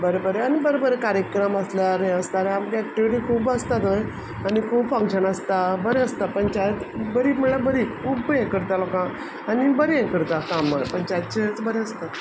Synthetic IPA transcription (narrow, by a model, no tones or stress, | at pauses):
bəɾobəɾeanibəɾobəɾekaɾjəkɾəməslaɾẽəst̪aɾeamkɛk̚ʈiʋiʈiːkʰuːbəst̪at̪oj | anikʰuːbfə̃ŋkɕənəst̪abəɾeəst̪apəɳt͡ɕajt̪bəɾiːm̤uɭɭabəɾiːkʰuːbjẽkəɾt̪alokã | anibəɾjɛ̃kəɾt̪akamːəpəɳt͡ɕajt̪̚t͡ɕet͡sbəɾeəst̪a